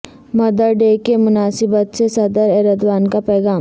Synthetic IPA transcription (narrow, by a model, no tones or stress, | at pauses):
mɐd̪əɾɖeːkemʊnaːsɪbət̪sesɐd̪əɾɛɾəd̪ʋaːnkapɛːɡaː